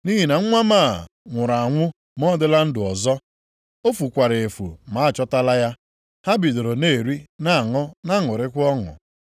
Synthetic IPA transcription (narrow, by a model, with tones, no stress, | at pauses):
ni˦ɦi˨na˨ŋ̩˦ŋʷa˦ma˦˨ | ŋʷʊ˨ɾa˨a˨ŋʷʊ˦ | mɔ˦dɪ˦la˦n̩˦dʊ˨ɔ˨zɔ˦ | o˦fu˨kʷa˨ɾe˨e˨fṵ˨ma˨˦a˦˨t͡ʃɔ˦ta˦la˦ja˦ | ha˦bi˨do˨ɾo˨ne˦˨ɾi˦na˦˨ŋɔ˦na˦ŋʊ˨ɾɪ˦kʷʊ˦ɔ˦ŋʊ̰˨